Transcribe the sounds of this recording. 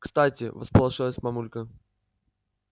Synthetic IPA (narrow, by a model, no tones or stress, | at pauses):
kst̪atʲɪ̰və̰spəlˠɐʐɨlˠəsʲmɐmulʲkə